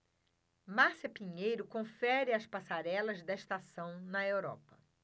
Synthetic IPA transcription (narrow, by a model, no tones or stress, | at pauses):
maɾsɐpĩɲejɾʊkõfɛɾɪɐspasaɾɛlɐzd̪ɐist̪asɐ̃w̃nɐewɾɔ̰pɐ